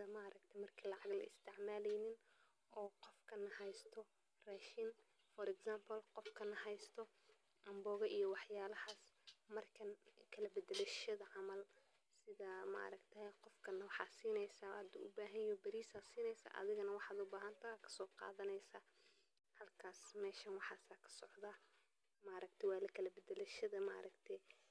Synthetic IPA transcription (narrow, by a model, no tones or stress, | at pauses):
ɪɐmɐʔɾʔɐkt̪ʰɐmɐrkʰiːlɑʕɑɣlɐ̰ɪst̪ʰɪʕmaːlɛjnɪn | ʔɔːqɔfkʰɐnɐhɛjst̪ʰɔ | rɛːʃɪn | fɔɾɛɡsaːmpʰɐlqɔfkʰɐnɐhɛjst̪ʰɔ | ʔɐmbɔːɣɐʔijɞwɑħjaːlɐhaːsmɐrkʰɐnkʰɐlɐbɛd̪ɛlɐʃɐðɐʕɑmɐl | sɪðɐma̰ʔɾɐkt̪ʰɛqɔfkʰɐnɐwɑħɑ̰ːsiːnɛjsaːhɐd̪ʊ̰ʔʊbaːɦɐnjɔbɐɾiːsaːsiːnɛjsa̰ːʔɐ̰ðɪɣɐnɐwɑħɑːd̪ʊbaːɦɐnt̪ʰɐaːkʰɐ̥sɔːqɑ̰ːðɐnɛjsaː | hɐlkʰaːsmɛːʃɐnwɑħɑːsaːkʰɐ̥sɔʕd̪aː | maːɾɐk̚t̪ʰɛwɑːlɐkʰɐlɐbɐd̪ɛlɐʃɐðɐma̰ʔɾʔɐɡt̪ʰɛ